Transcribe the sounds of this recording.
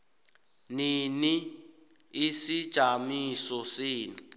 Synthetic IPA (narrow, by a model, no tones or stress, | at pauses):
nini | isid̥ʒ̥ʱamisɔsiːni